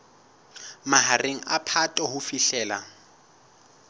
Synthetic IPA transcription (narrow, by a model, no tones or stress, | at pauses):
maɦareŋ̩apʰatʼɔɦʊfiɬɛːla